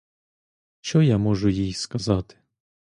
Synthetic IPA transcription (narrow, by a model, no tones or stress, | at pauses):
t͡ʃɔjamɔʐʊjijskɐzat̪ɪ̥